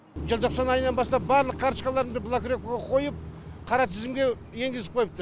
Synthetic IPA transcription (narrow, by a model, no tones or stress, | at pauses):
ʒəlˠt̪ʰo̞qsɑnɑjənɑnbɑst̪ɑp̚bɑɾlˠəq̚kʰaɾʃkalˠɑɾəmd̪əblˠakɾʲokoɡɑqʰo̞jəp̚ | qʰɑɾɑt̪ʰɪzɪmɡʲe̞ | je̞ŋɡʲɪzsɪp̚qʰo̞jp̚t̪əɾ